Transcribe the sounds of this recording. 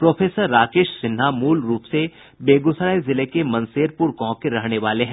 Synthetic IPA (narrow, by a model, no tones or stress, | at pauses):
pɾoːfʰeːsəɾːaːkeːʃsɪnɦamuːlɾuːpse | beːɡʊsɾaːezɪlekemɐ̃nseːɾpʊɾkɔ̃ːkeɾɐɦneʋaːleɦɛ̃ː